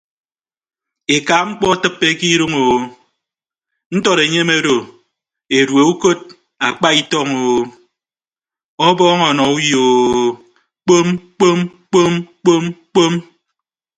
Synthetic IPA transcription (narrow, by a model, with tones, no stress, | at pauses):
e˨ka˨ŋ͡m̩˦k͡pɔ˦tɨ˦pːe˦ki˦ɾu˦ŋo˨ | n̩˦tɔ˦ɾe˨ɲe˦me˦ɾo˨ | e˨ɾwe˨u˦ko˦d̚ | a˨k͡pa˦i˦tɔ˦ŋoː˨ | ɔ˦bɔː˦ŋɔ˨nɔ˨u˦jo˨o˦ | k͡po˦mk͡po˦mk͡po˦mk͡po˦mk͡po˦m